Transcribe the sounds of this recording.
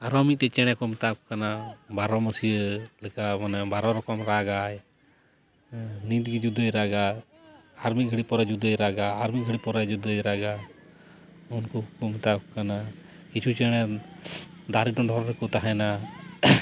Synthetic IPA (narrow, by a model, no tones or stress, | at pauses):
aɾɔmiʈɛt͡ʃɛɽ̃akɔmt̪akɔkanabaɾɔməsilɛkamanɛbaɾɔɾɔkɔmɾaːɡaj | nĩd̪ɡid͡ʒud̪ʱəɾaɡa | haɾmiɡʱəɽipɔɾad͡ʒud̪ʱəjɾaɡaɦaɾmiɡʱəɽipɔɾad͡ʒud̪əjɾaɡa | unkukɔmt̪akkana | kit͡ʃʰut͡ʃɛɽ̃a | d̪aɾiʈɔ̃ɖʱɔɾɾɛkut̪aɦana